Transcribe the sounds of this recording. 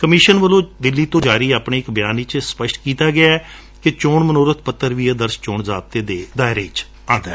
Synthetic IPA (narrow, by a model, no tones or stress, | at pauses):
kəmɪːʃənʋəlõːd̪ɪlːiːt̪õːd͡ʒaːɾiːaːpɳeːɪkbɪjaːniːt͡ʃspəʃʈkiːt̪aːɡɪaːɛ | kɪt͡ʃoːɳmənoːɾət̪ʰpət̪ːəɾʋiːəd̪əɾst͡ʃoːɳzaːb̚t̪eːd̪eːd̪aːɪɾeːt͡ʃ | ãːnd̪aɛː